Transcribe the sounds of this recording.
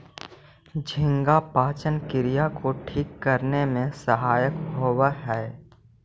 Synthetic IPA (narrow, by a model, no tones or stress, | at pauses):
d͡ʒʱɪ̃ŋɡapaːt͡ʃənkɪɾijakoʈʰiːkːəɾnemẽsəɦaːjəkɦoːwəɦɛː